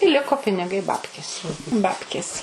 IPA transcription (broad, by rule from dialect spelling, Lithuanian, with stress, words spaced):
ɪ ˈlʲɪkoː pʲɪnʲɪˈɡɐɪ ˈbɑːpʲkʲeːs ˈbɑːpʲkʲeːs